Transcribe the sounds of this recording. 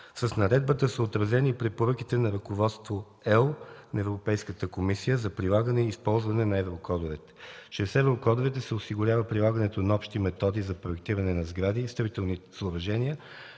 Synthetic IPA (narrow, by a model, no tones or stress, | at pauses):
səsnɐɾɛd̪̚bət̪əsəot̪ɾɐzɛnipɾɛpoɾɤkit̪ɛnɐɾɐkovɔt̪st̪vo | ɛlˠnɐɛvɾopɛjskət̪əkomisijəzɐpɾilˠaɡənɛiːspɔlˠzvɐnɛnɐɛvɾokɔd̪ovɛt̪ɛ̥ʃɛsɛvɾokɔd̪ovɛt̪ɛsɛosiɡʊɾʲavəpɾilˠaɡənɛt̪onɐɔpʃt̪imɛt̪ɔd̪izɐpɾoɛkt̪iɾɐnɛnɐzɡɾad̪iːst̪ɐvit̪ɛlˠnisˠovɐʒɛnijə